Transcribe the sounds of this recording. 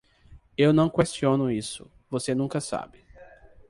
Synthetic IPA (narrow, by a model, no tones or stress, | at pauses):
ewnɐ̃w̃kwest͡ʃiõnʊisʊ̰ | vosenũkɐsa̰bɪ